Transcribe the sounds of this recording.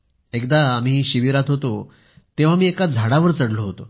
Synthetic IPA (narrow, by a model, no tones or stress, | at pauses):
ekd̪aːm̤iːɕiʋiɾat̪ɦot̪o | t̪eʋ̤amiːekad͡zʱaɽaʋəɾt͡səɽloɦot̪o